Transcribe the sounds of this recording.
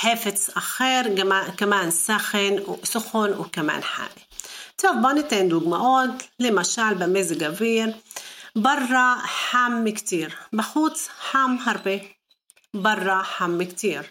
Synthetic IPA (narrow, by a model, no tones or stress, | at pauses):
ħeːfɪt̪ʔaxeːɾakamaːnsaxɪnwʔsʊxʊnwkama̰ːnħa̰ːmit̪ɑfbanit̪eːnd̪uːɡmaʔoːt̪limaʃaːlbameːzɡaviːɾbɑrˤːɑħamːkt̪iːɾbaħuːt̪ħamːhɑɾˤbi | bɑrˤːɑħamːkt̪iːɾ